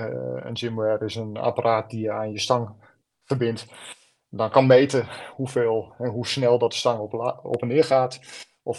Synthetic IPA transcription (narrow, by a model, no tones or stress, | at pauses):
ə̰nsimɛrɪsəna̰pərʔaːt̚dijəaːnjəstaŋ | fərbɪnt | dɔnkɔnmeːtəhufeːlˠɛnɦusnɛlˠdɔtə̥staŋo̰pənɪərxaːt | ʔɔf